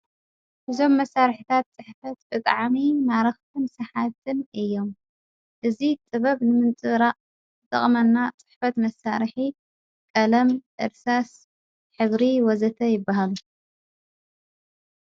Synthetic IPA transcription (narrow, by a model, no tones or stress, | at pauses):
ʔɨzo̞mːɐsːaɾħit̪ʰat̪̚t͡sʼɨħfɐt̪bɨt̪ʼʕmimaɾɐxt̪ʰɨnsɐħat̪ʰɨnɨjːo̞m | ʔɨzit̪ʼɨβɐβnɨmɨnt͡sʼɨɾaʔ | ɨt̪ʼɐ̰χʼmɐnːat͡sʼɨ̥ħfɐt̪mɐsa̰ɾħi | kʼɐlɐmʔɨ̰ɾsas | ħɨβɾiwɔzɐt̪ʰɐjɪbːaɦalu